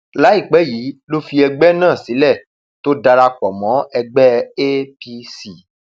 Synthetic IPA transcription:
la˨˦i˦˨k͡pɛ˨˦ji˨˦lo˦fi˧ɛ˧ɡ͡bɛ˦nãː˦˨si˨˦lɛ˦˨ | to˦da˧ɾa˧k͡pɔ˨mɔ̃˨˦ɛ˧ɡ͡bɛ˦e˦pi˧si˨

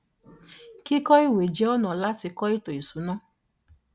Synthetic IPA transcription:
ki˦kɔ˦i˦˨we˨d͡ʒe˦ɔ˦nɔ̃˨la˦ti˧kɔ˦i˦to˨i˨su˨˦nɔ̃˦

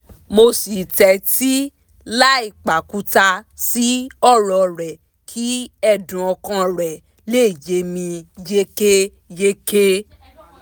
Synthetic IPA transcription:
mo˧si˨tɛ˧˦ti˦ | la˦i˦˨k͡pa˨ku˨˦ta˧si˨˦ɔ˦˨ɾɔ˨ɾɛ˨ | kʰi˨˦ɛ˧dũ˨ɔ˧kã˧ɾɛ˨ | le˦˨je˨˦mĩ˧je˦ke˦ | je˦ke˦

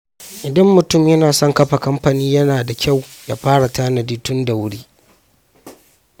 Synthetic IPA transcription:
ʔɪ˨dɐ˦mːʊ˨tʊ˦˨mjɐ˦naː˨sɔ˦ŋkɐ˦ɸa˨kɐ˦mɸa˨niː˦jɐ˦naː˨da˨kʲa˦˨wja̰ː˦ɸaː˦ɽa˨taː˦nɐ˨diː˦tʊ˦nda˨wʊ˦ɽiː˦

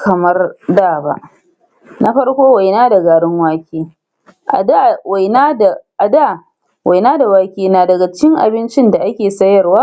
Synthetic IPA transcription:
kʰɐ˨mɐ˦rdaː˦˨ba̰˨ʔ | na˦ɸɐ˦rkʷoː˦wa˨jnaː˦dɐ˨ɡaː˨ɽɪ˦ŋwaː˦kʲeː˦ | ʔa˦wa˨jna˦da˨ʔa˨daː˦˨ | wʔa˨jnaː˦da˨waː˦kʲeː˦naː˨dɐ˨ɡa˨t͡ʃkʲɪ˦ŋʔa̰˨bɪ˦nt͡ʃɪ˦nda˨ʔa˦kʲeː˨sɐ˦jɐ˨rwaː˦

